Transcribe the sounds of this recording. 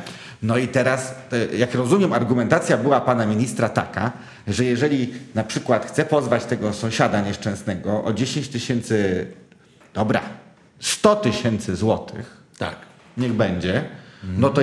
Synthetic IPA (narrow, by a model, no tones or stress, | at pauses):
nɔit̪ɛɾasjakɾɔzumʲjɛmaɾɡumɛnt̪at̪sʲjabɘwapanamʲiɲist̪ɾat̪a̰ka̰ | ʐɛjɛʐɛlʲinapʂɘkwat̪xt̪sɛpɔzvat͡ɕt̪ɛɡɔsɔ̃w̃ɕad̪aɲɛʂt͡ʂɛ̃w̃snɛɡɔʔɔd͡ʑeɕẽɲt͡ɕt̪ɘɕɛnt̪sɘ | d̪̥ɔbɾa̰ | st̪ɔt̪ɘɕɛnt̪sɘzwɔt̪ʰɘ̰x | t̪a | ɲɛɣbɛɲd͡ʑɛnɔt̪ɔ